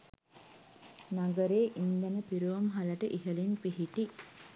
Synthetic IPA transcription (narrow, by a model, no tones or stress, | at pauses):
naɡəɾeːʔind̪ænəpiɾuʋəmɦaləʈəʔiɦəlinpiɦiʈi